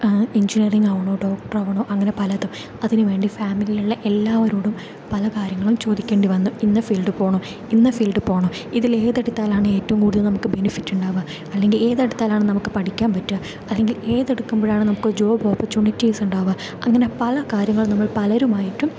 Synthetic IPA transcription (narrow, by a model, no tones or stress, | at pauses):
iɲd͡ʑiniɐriŋɡɐʋɐɳoːɖo̞ːk̚ʈɐrɐʋɐɳoːʔɐŋːɐne̞pɐlɐðum | ɐðinɨʋe̞ːɳɖifaːmilijuɭːeʔelːaːʋɐɾuːɽum | pɐlɐkaːɾjɐŋːɐɭumt͡ɕo̞ːd̪ikʲːe̞ːɳɖiʋɐnːuinːɐfiːlɖɨpo̞ːɳo | inːɐfilɖɨpo̞ːɳɐiðile̞ːðeɽut̪ːaːlaːɳɨe̞ːtːɐʋumkuːɽuðɐlnɐmukːɨbenifitːuɳɖaːʋa | ɐlːe̞ŋɡile̞ːðeɽut̪ːaːlaːɳɨnɐmukːɨpɐʈʰikʲːaːmpɐtːua | ɐlːe̞ŋɡile̞ːðeɽukːumboːɾaːɳɨnɐmukːɨd͡ʑo̞ːboːpːɐt͡ɕuɳːitːiːsuɳɖaːʋa | ɐ̰ŋːɐne̞pɐlɐkaːɾjɐŋːɐɭnɐmːɐɭpɐlɐɾumaːjitːum